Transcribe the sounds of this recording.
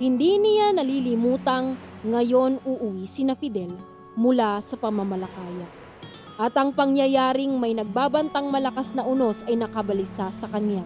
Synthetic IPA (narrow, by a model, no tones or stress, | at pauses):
hɪnd̪inɪjanɐlilɪmuːt̪ɐŋː | ɐjo̞nuʔʊwiːsɪnɐfɪd̪ɛl | mʊlasɐpɐmamɐlɐkaːjɐ | ʔɐt̪ɐŋpɐŋjɐjaːɾɪŋmɐjnɐɡ̚baːbɐnt̪ɐŋmɐlɐkasnɐʔʊno̞sɐjnɐkɐbɐlɪsasɐkɐnja